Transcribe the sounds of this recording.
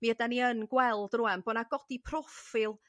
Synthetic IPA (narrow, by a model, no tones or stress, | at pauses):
miədaniənɡwɛlˠdrʊɛmboːnaɡɔdipʰrɔfɪlˠ